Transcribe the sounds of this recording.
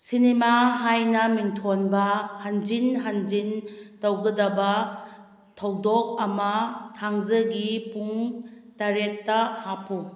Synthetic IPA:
sinemaɦajnɐmintʰonbɐhɐnd͡ʒinɦɐnd͡ʒintɐwɡɐdɐbɐ | tʰɐwdɔk̚ɐmɐtʰaŋzɐɡipuŋtaɾek̚ːɐhapʰo

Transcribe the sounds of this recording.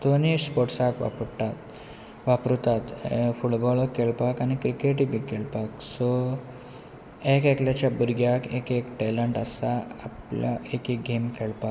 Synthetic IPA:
t̪onispɔʈsakʋa̰pəɽt̪at̪ | ʋapɾut̪at̪fuʈbɔlkːeɭpakañikɾikeʈibʱiːkeɭpaksɔ | ekekljat͡ɕjabuɾɡjakekekʈɛləɳʈəst̪aapla̰ekek̚ɡemkeɭpak

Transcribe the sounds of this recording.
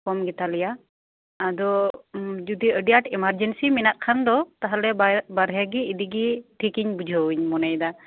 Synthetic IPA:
kɔmɡɛt̪alɛjaː | d̪ɔ | d͡ʒud̪iəɖijaʈimaɾd͡ʒɛnsiminaʔkʰand̪ɔt̪aɦalɛbbaɾɦɛɡiːd̪iɡiʈʰikiɲbud͡ʒʱəwuɲmɔnajd̪a

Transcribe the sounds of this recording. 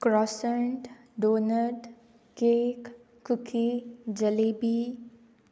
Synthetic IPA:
kɾɔːsəɳʈ | ɖoːnəɖ | keːkː | ʊkʰid͡ʒɐleːbi

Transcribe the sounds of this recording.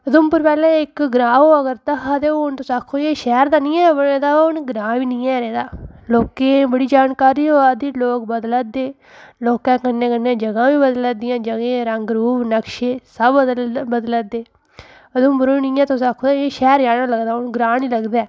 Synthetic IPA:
əd̪ʊmpʊɾpɛːlẽːɪkɡɾãːɦoːəɡəɾt̪əɦaːd̪eːoʊnt̪õːsaːkʰːoːjeːʃɛːɾd̪aːnĩːɛːbəɽeːd̪aːʊnɡɾãːʋiːnĩːɛːɾeːd̪aːloːkẽːbəɽiːd͡ʒaːnkaːɾiːɦoːaːd̪iːloːkbəd̪lad̪eː | loːkãːkənːẽːkənːẽːd͡ʒəɡãːʋiːbəd̪lːd̪ɪjãːd͡ʒəɡẽːɾəŋɡɾuːbnəkʃeːsəb̪bəd̪lad̪eː | əd̪ʊmpəɾoːiːnĩːɛːt̪õːsaːkʰoːd̪aeːʃɛːɾd͡ʒaːɽaːləɡd̪aːʊnɡɾãːnĩːləɡd̪aː

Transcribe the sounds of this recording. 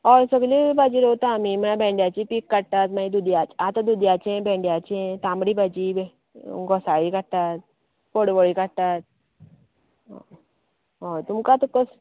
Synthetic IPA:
ɔɾsəɡlĩbad͡ʑiːɾot̪aamim̤ənãbʱẽɳɖjat͡ɕipikːəɽt̪at̪maid̪ud̪jat͡ɕat̪ad̪ud̪jat͡ɕẽbʱẽɳɖjat͡ɕt̪ãmbɽiːbʱad͡ʑib | ɡɔsaɭikəɽt̪at̪̚ | poɽʋəɭikəɽt̪at̪̚ | ɦot̪umkat̪əkːəs

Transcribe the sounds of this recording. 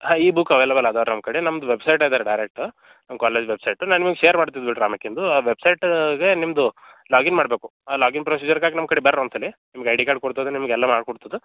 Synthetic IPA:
aiːbukɐʋeːlebɐlɐd̪aːɾnɐmkɐɽinɐmd̪uʋebsɐjʈaːjid̪aːɾeɖɐjɾek̚ʈ | nɐmkaːleːd͡ʒʋebsɐjʈunaːnimɐɡeʃeːɐɾmaːɖt̪̬id̪biʈɾaːmɐkːind̪uʋebsɐjʈɡe̞nimd̪u | laːɡinmaːɖbe̞ːku̥aːlaːɡinpɾos̬iːd͡ʒɐɾkaːɡnɐmkɐɽibɐɾonsɐlːinimɐɡeɐjɖikaːɖ̚koɽt̪ɐd̪enimɐɡɛlːamaːɽkoɽt̪ɐd̪u

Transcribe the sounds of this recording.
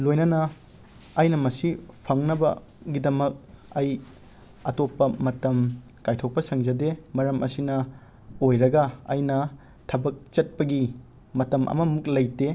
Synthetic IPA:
lojnɐnɐː | jnɐmɐsipʰɐŋnɐbɐ̰ | ɡidɐmɐk̚ɐj | ɐtopːɐmɐtɐm | kajtʰok̚pɐsɐŋzɐdemɐɾɐmʔɐsinɐ | ojɾɐɡɐɐ̰jnɐ | tʰɐbɐk̚t͡ʃɐt̚pɐɡi | mɐtɐmʔɐ̰mɐmuk̚lɐjte

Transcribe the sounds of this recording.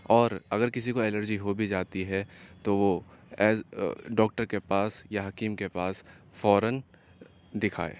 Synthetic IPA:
ɔːɾɐɡəɾkɪs̬ikoɛləɾd͡ʒiɦobʱid͡ʒaːt̪iɦɛt̪oʋoɛːzɖɔːk̚ʈəɾkepaːsjaɦɐkiːmkepaːs | fɔːɾən | d̪ɪkʰa̰ːḛː

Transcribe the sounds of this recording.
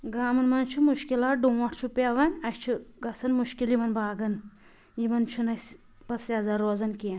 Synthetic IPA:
ɡaːmɐnmɐnt͡ʃʰumuʃkilaʈ̚ɖuʋɐʈʰt͡ʃʰupʲeʋɐnʲɐʃt͡ʃʰiɡɐsɐnmuʃkilimɐnbaːɡɐn | jimɐnt͡ʃʰunɐsʲ | b̥ɐsjazɐɾoːzɐnkʲen

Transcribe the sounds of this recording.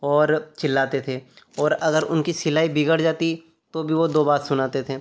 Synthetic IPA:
ɔːɾt͡ʃɪlːaːt̪et̪ʰeː | ɔːɾɐɡəɾʊnkisɪlaːibɪɡəɽd͡ʒaːt̪i | t̪obʱiʋod̪oːbaːt̪sʊnaːt̪et̪ʰeː

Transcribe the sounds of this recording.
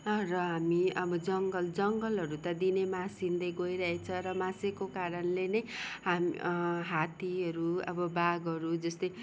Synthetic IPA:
rʌɦamiʌbʌd͡zʌŋɡʌld͡zʌŋɡʌlɦʌɾut̪ʌd̪inemasind̪ʌjɡoiɾʌɦet͡sʰʌɾʌmasekokaɾʌnlenʌjɦamɦat̪iʌɾuʌ̰bʌbaɡʌɾud͡zʌst̪ʌj

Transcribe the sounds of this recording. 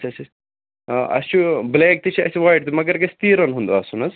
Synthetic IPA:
ɐt͡ʃʰɐt͡ʃɐ | ɐ̰st͡ʃubleːk̚t̪it͡ʃʰiɐ̰suʋaːjʈ̚t̪umɐɡɐɾkest̪iːɾɐnɦund̪uɐsunɐz

